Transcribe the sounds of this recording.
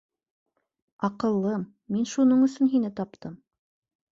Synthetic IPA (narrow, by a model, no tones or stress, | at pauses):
ɑqɤ̆lˠːɤmːinʃunɤɴɵ̆sɵnɦinɘt̪ɑp̚t̪ɤm